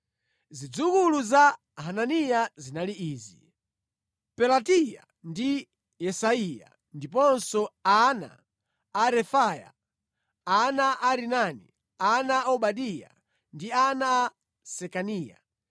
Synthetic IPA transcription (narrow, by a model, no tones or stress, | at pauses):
zid͡zukuluza | hananijazinaliiːzi | pɛlatija̰ | ndi | jɛsaija̰ | ndip̬ɔnsɔana̰ː | ɾɛfaja̰ | anaʔaɾinanḭ | anaʔɔɓaɗija̰ | ndiana | sɛkaniːja̰